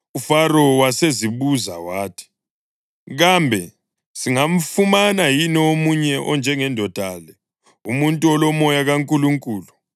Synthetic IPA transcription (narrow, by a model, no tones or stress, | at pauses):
ufaɾɔwaseziβuza̰waːtʰi̥ | ɣambʱɛ | siŋam̩fumanajiniomuɲɛʔɔnd͡ʒʱɛŋɛndʱɔd̥ʱalɛ | umuntʼuɔlɔmɔjaɣaŋkʼuluŋkʼuːlu